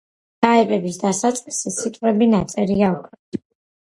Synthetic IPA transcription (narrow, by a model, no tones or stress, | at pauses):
aɛpʼɛbisd̪asat̪sʼqʼisisit̪ʼqʼwɛbinat̪sʼɛɾiaukʰɾɛ